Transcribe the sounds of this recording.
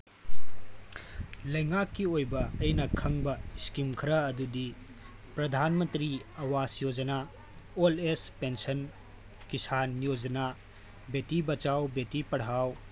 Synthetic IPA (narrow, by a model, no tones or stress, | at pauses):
lɐjŋakːiojbɐɐjnɐkʰɐŋbɐiskimkʰɐɾɐɐdudi | pɾɐd̪ʱanmɐnt̪ɾiɐwasjod͡ʒɐna | olespensɐn | kisanjod͡ʒɐna | betibɐt͡ʃawbetipɐɽ̤aw